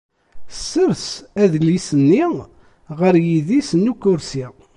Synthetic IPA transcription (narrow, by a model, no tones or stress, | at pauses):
sːəɾsæðəlisənːi | ʁəɾjiðisnːukːʊɾsi